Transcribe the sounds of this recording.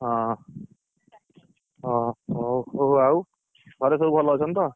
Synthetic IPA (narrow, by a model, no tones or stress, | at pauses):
ɦʌ̃ | ʌ | oɦaw | ɡʱʌɾesʌɾupʰʌlʌt͡sʰʌnt̪ʌ